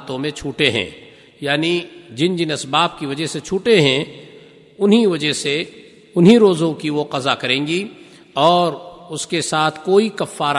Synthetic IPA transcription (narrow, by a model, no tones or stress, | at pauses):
t̪õmẽt͡ʃʰuːʈeɦɛ̰̃ː | jaːnid͡ʒɪnd͡ʒɪnɐsbaːp̚kiʋɐd͡ʒəɦset͡ʃʰuːʈeɦɛ̃ | ʊnɦiʋɐd͡ʒəɦse | ʊnɦiɾoːzõkiʋoqɐzakɐɾẽːŋɡi | ɔːɾʊskesaːt̪ʰkoːikɐfːaːɾ